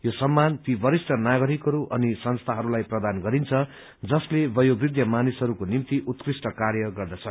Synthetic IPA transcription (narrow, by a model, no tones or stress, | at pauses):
josʌmːant̪ibʌɾisʈʌnaɡʌɾikɦʌɾuʔʌnisʌnst̪ʰaɦʌɾulajprʌd̪anɡʌɾint͡sʰʌ | d͡zʌslebʌjobrid̪ʱjʌmanisɦʌɾukonimt̪iʔut̪krisʈʌkarjʌɡʌrd̪ʌt͡sʰʌ